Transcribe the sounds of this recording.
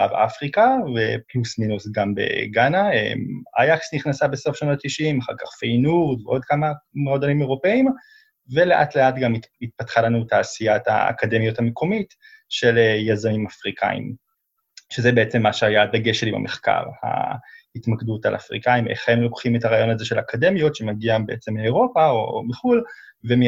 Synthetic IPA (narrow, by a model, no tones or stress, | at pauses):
avʔa̰fʁikaveplusminusɡambe̞̰ɡanaḛma̰jaksniχnasabeso̞fʃanotːiʃimaχa̰ʁkaχfejnuʁdveʔo̞d̪̚kamamʁodanimeʁo̞peim | ve̞le̞ʔa̰tle̞atɡamit̪̚patχalanutaːsijata̰a̰kade̞mijo̞thamekʰo̞mit | ʃe̞lejazamimafʁikʰa̰ḭm | ʃezebeet͡se̞mːaʃeajad̪aɡe̞ʃetima̰mʔeχka̰ʁha̰hitmakdutalʔa̰fʁḭkaimʔḛχhe̞mlo̞kχimetaʁaːjo̞naze̞ʃe̞lakade̞mijo̞tʃe̞maɡiambeet͡se̞mleːʁo̞paomeχul | vem